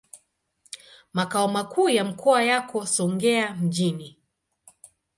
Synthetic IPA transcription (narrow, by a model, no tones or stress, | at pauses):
makaɔmakʰuːjam̩kʰɔajakɔsɔŋɡɛam̩ʄini